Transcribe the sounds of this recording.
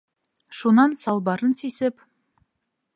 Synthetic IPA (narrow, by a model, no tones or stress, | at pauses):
ʃunɑnsɑlˠbɑɾənsisɪp